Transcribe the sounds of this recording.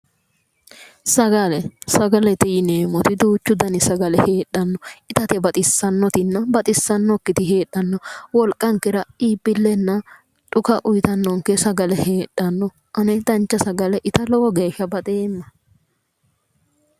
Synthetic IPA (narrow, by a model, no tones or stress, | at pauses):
sɐɡɐlɛsɐɡɐlɛt̪ɪjɪneːmɔt̪ɪd̪uːt͡ʃːʊd̪ɐnɪsɐɡɐlɛhe̞ːᶑɐnːɔʔɪt̪ɐt̪ɛbɐt̪ʼɪsːɐnːɔt̪ɪnːɐbɐt̪ʼɪsːɐnːɔkːɪt̪ɪɦe̞ːɗːɐnːɔwɔlkʼːɐŋkɪɾɐiːbːɪlːɛnːɐ | ᶑʼʊkɐʔʊjt̪ɐnːɔŋkɛsɐɡɐlɛheːɗːɐnːɔ | ʔɐnɛd̪ɐnt͡ʃːɐsɐɡɐlɛʔɪt̪ɐlɔwɔɡeːʃːɐbɐt̪ʼeːmːɐ